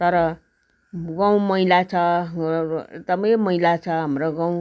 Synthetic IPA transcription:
t̪ʌɾʌ | ɡãw̃mʌilat͡sʰʌ | t̪ʌbamʌilat͡sʰʌɦʌmroɡãw̃

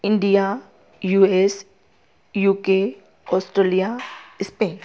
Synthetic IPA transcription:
ɪ̃ɳɖija | juːes | juːke | ɔːsʈɾeːlijaɪspeːn

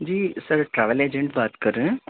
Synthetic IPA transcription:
d͡ʒiːsəɾʈɾɛːʋəleːd͡ʒẽɳʈbaːt̪kəɾə̃ː

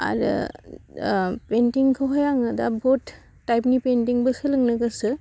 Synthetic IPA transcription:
a̰ɾɯ̰ | pentiŋkʰɯɦɔjaŋɯdabotː | ajpnipentiŋbɯsɯlɯŋnɯɡɯsɯ

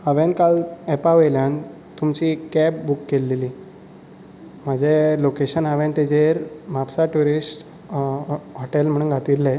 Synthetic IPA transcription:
haʋenkalɛpaʋejljan | t̪umt͡ɕikːɛbbukːelːeliː | m̤əd͡ʑʱelokeɕənɦaʋẽnt̪ed͡ʑeɾmapsaʈuɾisʈ | ɦoʈelm̤əɽ̃uːnɡʱat̪ilːe

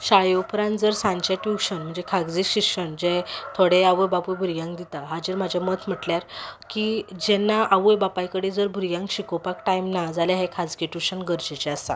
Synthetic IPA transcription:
ɕaɭjowpɾãnd͡zəɾsãɲt͡ɕaʈjuɕənm̤əɳd͡zekʰaɡd͡ziɕikɕəɳd͡ʑẽt̪ʰoɽeaʋəjbapujbʱuɾjãŋkd̪it̪aɦad͡ʑiɾm̤ad͡ʑʱjamət̪ʰm̤əʈljaɾkid͡ʑɛnːaʔaʋəjbapajkəɽed͡zəɾbʱuɾjãŋkɕikopakʈajmnad͡zaljaɦekʰad͡zɡeʈuɕənɡəɾd͡ʑet͡ɕeast̪a̰

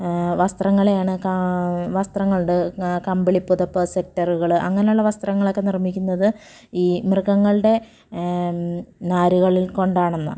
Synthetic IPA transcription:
ʋɐst̪rɐŋːɐɭejaːɳɨkɐʋɐst̪rɐŋːɐɭuɽekɐmbiɭipːuðɐpːɐsek̚tːɐruɣɐɭʔɐ̰ŋːɐnejuɭːɐʋɐst̪rɐŋːɐɭo̞kːenirmikʲːunːɐðɨ | iːmrɨkɐŋːɐɭɨɽe̞ | naːɾuɣɐɭilko̞ɳɖaːɳenːɨ

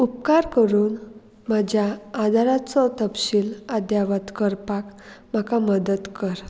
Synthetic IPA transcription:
up̚kaɾkəɾuːn | mad͡ʑʱjaːd̪ʱaɾat͡sɔt̪əpɕiːlad̪jaʋət̪kəɾpakm̤akaməd̪ət̪kəɾ

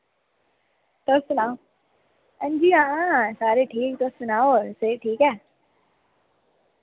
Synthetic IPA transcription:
t̪oːsʊnaːo | ə̃nd͡ʒiãːsaːɾeʈʰiːk̚t̪oːssʊnaːoseʈʰiːkɦɛː

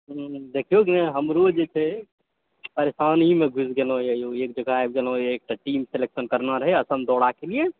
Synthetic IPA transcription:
d̪ekʰijokinɛɦəmɾod͡ʒet͡ʃʰɛ | pəɾesanimeɡʱusɡelõjəjoek̚d͡ʒəɡʱaeb̚ɡelõek̚ʈaʈimseleksənkəɾnaɾəɦɛəsəmd̪ɔɽakelie

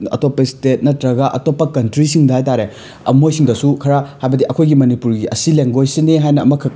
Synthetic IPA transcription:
ɐ̰topːɐstet̚nɐtɾɐɡɐʔɐ̰topːɐkɐntɾisiŋdɐhajtaɾe | ɐ̰mojsiŋdɐsukʰɐɾahajbɐdiʔɐkʰojɡimɐnipuɾɡiɐ̰sileŋɡojsineɦajnɐːmɐkʰɐ

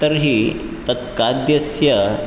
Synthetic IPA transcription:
t̪əɾɦiː | t̪ɐt̪kad̪jɐsjɐ

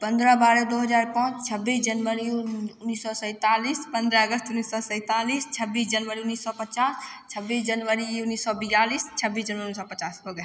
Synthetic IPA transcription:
pə̃nd̪ɾəbaɾəd̪oɦəd͡ʒaːɾpãːt͡ʃt͡ʃʰəbːisd͡ʒənʋəɾiʊnːisːɔsə̃ɪt̪alispə̃nd̪ɾəəɡəst̪unːisːɔsə̃ɪt̪alist͡ʃʰəbːiːsd͡ʒənʋəɾiunːisːɔpət͡ʃast͡ʃʰəbːiːsd͡ʒənʋəɾiunːisːɔbijaliːst͡ʃʰəbisd͡ʒənʋəɾiunisɔpət͡ʃaːsɦoɡɛ

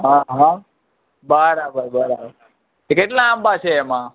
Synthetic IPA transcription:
ɦãɦã | bəɾabəɾbəɾabəɾ | ekeʈlãambat͡ʃʰeːmã

